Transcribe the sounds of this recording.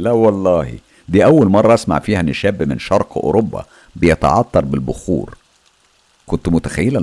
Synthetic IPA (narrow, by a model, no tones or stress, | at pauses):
læwɑlˤːɑːhḭ | d̪iːʔæwːælmɑrˤːɑʔæsma̰ʕfiːhæʔnːɪʃæːbːmɪnʃɑɾˤqʔo̰ɾobːɑ̰ | bejet̪ɑ̰ʕɑt̪ːɑɾˤbɪlbʊxṵːɾ | kont̪mʊt̪æxæjːelæ